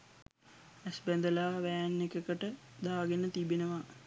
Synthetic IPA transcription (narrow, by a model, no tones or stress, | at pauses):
æsbænd̪əlaːʋæːnːekəkəʈəd̪aːɡenət̪ibenəʋa